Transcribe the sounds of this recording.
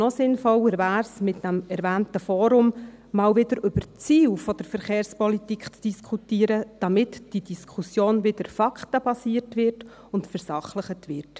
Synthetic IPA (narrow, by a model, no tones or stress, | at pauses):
nɔsɪnfɔwəɾvæːɾsmɪtdæmɛɾvæːntəfɔːɾʊm | mɑːlʋɪdəɾʔʏb̥əɾt͡siːwfɔd̥əɾfəɾχeːɾspɔlitikχt͡sd̥iskʰutiːəɾəd̥ɑmɪtd̥id̥iskʰusjoːnvɪd̥əɾfɑkχtəb̥ɑsiːəɾtʋɪrt | ʊntfəɾsɑχləχətʋɪrt